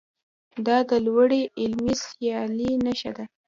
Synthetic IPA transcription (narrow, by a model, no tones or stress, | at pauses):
d̪ɑd̪əlwaɽeʔɪlmisjɑlinəʃa̰d̪a